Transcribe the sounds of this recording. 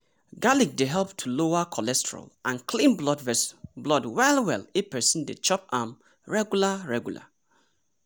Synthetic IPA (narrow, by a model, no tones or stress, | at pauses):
ɡalik̚deɦɛlp̚tʰuloakʰɔlɛstɛɹa̰lʔãnkʰlĩnblɔdvɛsblɔdwɛlˠwɛ̰lepɛsĩndḛt͡ʃɔpãm | ɹɛɡjulaɹɛɡjula̰